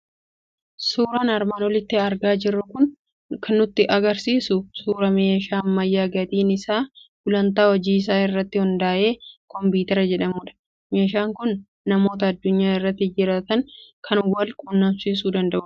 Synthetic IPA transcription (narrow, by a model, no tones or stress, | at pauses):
suːɾaːnɐɾmaːnwɔlɪt̪ːɪɐɾɡaːd͡ʒɪrːʊkʊn | kʰɐnːʊt̪ːɪʔɐɡɐɾsiːsʊsuːɾɐme̞ːʃaːnːɐjːaːɡɐt̪iːnɪsaːɡʊlɐnt̪aːwɔd͡ʒiːɪs̬aːɪrːɐt̪ːɪhʊnd̪aːʔe̞ːkɔmbiːt̪ɛɾɐd͡ʒɛᶑɐmuːᶑɐ̥ | me̞ːʃaːŋkʊnː | ɐmo̞ːt̪̬ɐːd̪ːʊɲːaːɪrːɐt̪ːɪd͡ʒɪɾaːt̪ɐŋkʰɐnwɐlkʼunːɐmsiːs̬uːd̪ɐnd̪ɐʔʊ